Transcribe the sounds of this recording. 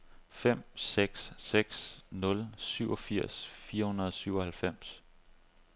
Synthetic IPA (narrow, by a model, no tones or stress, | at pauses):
fem̰seɡ̥sːeɡ̥snɔ̽lsyʊɒ̽fiɐ̰sfiːɐhunɐðˠsyʊɒ̽hælfem̰s